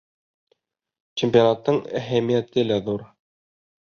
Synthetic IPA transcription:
t͡ɕempʲionat̪ːɤɴæɦæmijæt̪ɘlæðuɾ

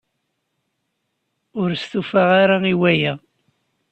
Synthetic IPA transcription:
ʊɾst̪ufaʁaɾaiwæjæ

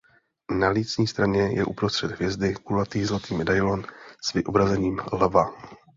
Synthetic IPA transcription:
naliːt͡sɲiːst̪ɾaɲɛjɛ̰ʔupɾo̞st̪r̥ɛd̪ɦvjɛzdɪkulat̪iːɣzlat̪iːmɛdajlonsvɪʔobɾazɛɲiːmlɛva

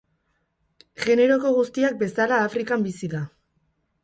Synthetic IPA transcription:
ɣe̞ne̞ɾo̞ko̞ɣ̞ust̪iak̚be̞salaːfɾikambisiða

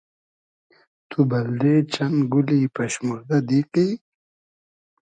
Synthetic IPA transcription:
t̪ubɐld̪eːt͡ɕɐnɡuliːpɐɕmuɾd̪ɐd̪iqi

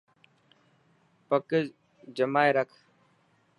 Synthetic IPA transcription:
pəkə | d͡ʒəmaːeɾəkʰ

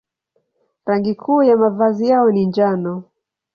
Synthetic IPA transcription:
ɾaŋɡikʰuːjamavazijaɔnind͡ʒanɔ

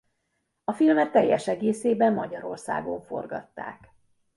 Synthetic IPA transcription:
ɒfilmɛtt̪ːɛjːɛʃɛɡeːseːbɛmːɒɟɒɾo̞rsa̰ːɡo̞ɱfo̞̰rɡɒ̰t̪ːa̰ːk

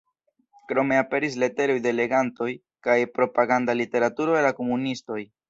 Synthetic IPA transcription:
kɾo̞me̞ape̞ɾis̬le̞te̞ɾo̞jde̞le̞ɡanto̞j | kajpɾo̞paɡandalite̞ɾatuɾo̞elako̞munisto̞j

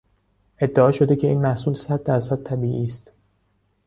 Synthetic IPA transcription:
ʔe̞d̪ːeɒːʃo̞d̪e̞cʰe̞iːnmæhsuːlsæd̪̚ːæɾsæd̪̚t̪ʰæbiːʔiːst̪

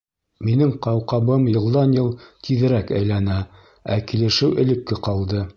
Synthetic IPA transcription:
minɘŋqɑwqɑβɤmjɤ̆lˠd̪ɑnjɤlˠt̪ʰiðɘ̆ɾækæ̰jlænæ | ækilɘ̆ʃɘwʔɘ̆lɘ̆kːɘqɑlˠd̪ɤ

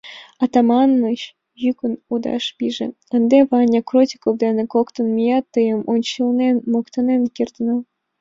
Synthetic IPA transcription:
ɑt̪ɑmɑnmɤɕ | jykənud̪ɑ̰ʃpʲiʒḛ̆ | ə̆nd̪eβɑnʲɑkrotʲi̥kovd̪enekokt̪ə̆nmʲijɑt̪ːəjəmonʲt͡ɕilnenmokt̪ɑnenkirt̪nɤ

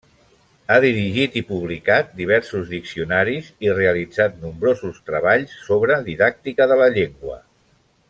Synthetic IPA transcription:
aðiɾiʒit̪ipuβlikat̪̚d̪iβ̞ɛɾsuzðiksiunaɾizireəlid͡zat̪numbɾozust̪ɾəβ̞aʎsːoβɾəðiðak̚t̪ikəðələʎeŋɡwə̰

